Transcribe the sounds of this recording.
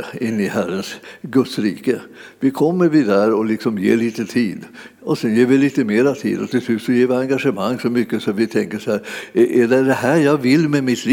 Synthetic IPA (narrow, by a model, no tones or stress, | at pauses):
ɪnːɪhæɾənsɡɵt̪sɾiːkəvɪkʰɔmːəɾvɪd̪æɾɔlɪksɔmjḛːɭiːt̪ət̪ʰiːd̪ɔsɛnjeːɾvɪliːt̪əmeːɾat̪ʰḭːd̪ɔt̪ʰɪslʉ̟ːt̪sɔjeːɾvɪaŋɡaʂəmaŋːsɔmʏkːəsɔat̪vɪt̪ʰɛŋkəʂɔhæːɾʔɛɖɛɖ̪ɛhæːɾjɑːɡvɪlːmɛmɪt̪ɾ